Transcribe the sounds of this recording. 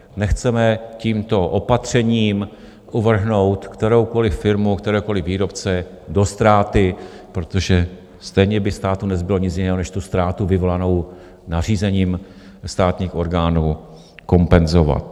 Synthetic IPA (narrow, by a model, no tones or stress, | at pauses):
nɛxt͡sɛmɛciːmt̪o̞ʔopat̪r̝̥ɛɲiːm | kʔuvr̩ɦno̞wt̪kt̪ɛɾo̞wko̞lɪfɪɾmukt̪ɛɾɛːwko̞lɪviːɾo̞pt͡sɛ | do̞st̪ɾaːt̪ɪpɾo̞t̪o̞ʒɛ | st̪ɛjɲɛbɪfst̪aːt̪unɛzbɪloɲɪt͡sjɪnɛːɦonɛʃt̪ust̪ɾaːt̪uvɪvo̞lano̞w | nar̝iːzɛɲiːm | st̪aːt̪ɲiːxʔo̞ɾɡaːnuː | ko̞mpɛnzo̞va̰t̪